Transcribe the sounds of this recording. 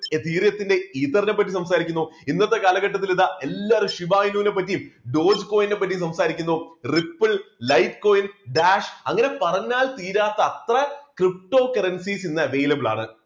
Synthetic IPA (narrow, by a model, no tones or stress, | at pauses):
t̪iːrjɐt̪ːinde̞iːt̪ːɐrnɐp̬ːɐtːisɐmsaːɾikʲːunːuinːɐt̪ːekaːlɐɣɐʈːɐt̪̬ːiliðaʔelːarɨʂiʋaːjnuːnepːɐtːijmɖo̞ːd͡ʑko̞ːjinde̞p̬ːɐt̬ːis̬ɐmsaːɾikʲːunːuripːɨllɐjtko̞ːjinɖaːʂɐŋːɐne̞pɐrɐɲːaːlt̪iːɾaːt̪ːɐːt̪rɐkrip̚ʈo̞ːkɐrɐnsiːsinːɨɐʋe̞ːjlɐbɨɭa̰ːɳɨ